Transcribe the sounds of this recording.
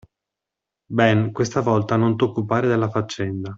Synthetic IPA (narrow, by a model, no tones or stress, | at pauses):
bɛnkwest̪avɔlt̪anont̪okːupaːɾed̪elːafat͡ʃːɛnd̪a